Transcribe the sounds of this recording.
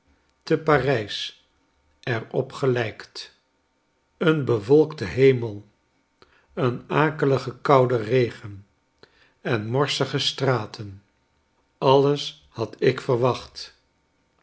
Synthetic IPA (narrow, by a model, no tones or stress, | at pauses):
təparɛjs | ɛrɔpχəlɛjkt | ənbəvɔlˠkdəɦejməlˠ | ənaːkələχəkɑwdərejχən | ɛnmɔɹsəχəstraːtʰən | ɑləs | hɑtɪkfərʋɑχt